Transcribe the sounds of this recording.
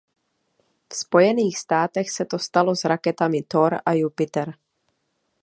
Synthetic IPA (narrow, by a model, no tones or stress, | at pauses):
fspo̞jɛniːxst̪aːt̪ɛxsɛt̪o̞st̪alo̞zɾakɛt̪amɪt̪oɾajupɪt̪ɛɾ